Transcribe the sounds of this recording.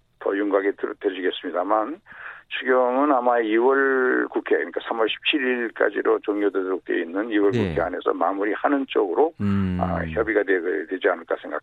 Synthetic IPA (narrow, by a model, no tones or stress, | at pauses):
tʌ̰juŋɡaɡettwed͡ʑiɡe̞s͈ɯmɲidamansʰuɡjʌŋɯnamaiwʌɭkukʰeaeɲik͈asʰamwʌɭɕʰi̥p̚t͡ɕʰiɾiɭk͈a̰d͡ʑiɾot͡ɕoŋɲjodedʌɾok̚t͈ḛinːɯniwʌɭkukʰea̰ne̞sʰʌ̰mamuɾihanɯnt͡ɕ͈oɡɯɾoa̰çjʌbiɡadedwe̞d͡ʑianɯɭk͈asʰe̞ŋɡa̰k